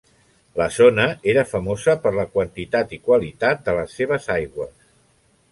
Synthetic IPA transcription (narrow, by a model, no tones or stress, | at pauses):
ləzonəeɾəfəmozəpəɾləkwənt̪it̪at̪ikwalit̪at̪̚d̪ələsːeβ̞əzajɣwəs